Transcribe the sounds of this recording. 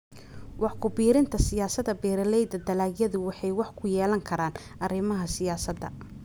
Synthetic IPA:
wɑħkʰʊbiːɾɪnt̪ʰɐsɪjaːsɐd̪ɐbɛːɾɐlɛjd̪ɐd̪ɐlaːɡjɐðʊwɑħɑjwɑħkʰʊjɛːlɐŋkʰɐɾaːn | ʔɐɾɪmɐɦɐsɪjaːsɐd̪ɐ̰

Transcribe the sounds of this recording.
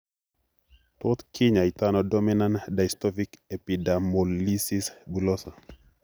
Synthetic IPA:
t̪ot̪kʰɪɲait̪anɔdɔminandajstɔvikepidamolisisbulɔsa

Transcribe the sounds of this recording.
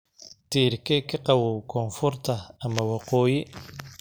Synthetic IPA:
t̪ʰiːrkʰɛkʰɐqɑwɔkʰɔːnfʊrt̪ʰɐːmɐwɑqɔːjɪ

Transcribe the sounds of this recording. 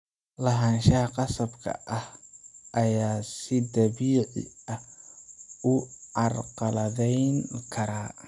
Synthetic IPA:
lɐɦaːnʃɐhɐqɑsɐbkʰɐ̰ʔɐhʔɐjaːsɪd̪ɐβiːʕɪ̰ɐ | ʊʕɑrqɑlɐðɛjŋkʰɐɾaː

